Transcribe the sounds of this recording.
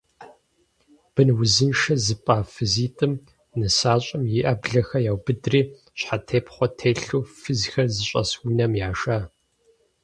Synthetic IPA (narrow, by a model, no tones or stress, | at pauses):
b̥ɨnwʊzɨnʃɐzɨpʼaːfɨziːtʼɨm | nɨsaːɕʼɐmjɪʔɐbɮɐxɐjaːwbɨdriː | ɕħatʰeːpχʷɔtʰeːɬuːfɨzxɐrzɨɕʼɐ̰swinɐmjaːʃaː